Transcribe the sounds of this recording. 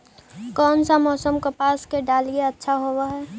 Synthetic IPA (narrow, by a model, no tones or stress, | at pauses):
kɔːnsamɔːsəmkopaːskeɖaːlieətːʃʰaɦowaɦɛː